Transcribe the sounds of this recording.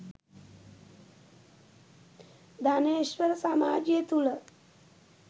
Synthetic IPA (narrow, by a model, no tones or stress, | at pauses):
d̪ʱaneɕʋəɾsamad͡ʑjet̪ulə